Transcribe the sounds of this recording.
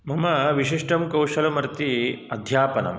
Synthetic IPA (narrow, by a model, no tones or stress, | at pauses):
mɐmɐʋiʃ̬iʂʈɐmkɐwʂɐlɐmɐɾt̪iɐd̪ʱjaːpɐnɐ̰m